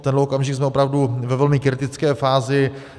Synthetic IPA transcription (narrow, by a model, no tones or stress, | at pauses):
t̪ɛndlɛokamʒɪɡzmɛo̞pɾavduvɛvɛlmɪkɾɪt̪ɪt͡skɛːfaːzɪ